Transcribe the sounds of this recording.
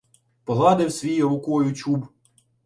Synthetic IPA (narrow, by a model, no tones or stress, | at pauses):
pɔɦˠɑd̪ewsʲʋʲijɔʋʊkɔjʊt͡ʃʲub